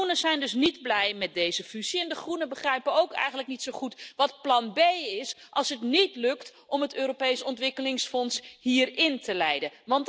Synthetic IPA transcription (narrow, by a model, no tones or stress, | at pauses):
unəz̥ɛjndɵs̬nidblɛjmɛt̚dejzəfyz̥iɛndəχrunəbəχrɛjpəowkɛ̰jχənləknitsowχutʋɑt̚plɑnbejɪsʔɑlˠsɦətnitlɵkt | ɔmɦətøːropejsɔntʋɪkəlɪŋsfɔnshɦiːrɪntəlɛjdəʋɑnt